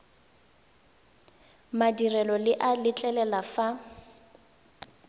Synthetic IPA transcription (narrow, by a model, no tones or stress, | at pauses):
madirɛlɔlɪʔalɪt͡ɬʼɛlɛlafa